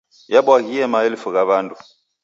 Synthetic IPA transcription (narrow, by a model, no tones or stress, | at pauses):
jaɓwakiɛmaelifukaɓaːntʼu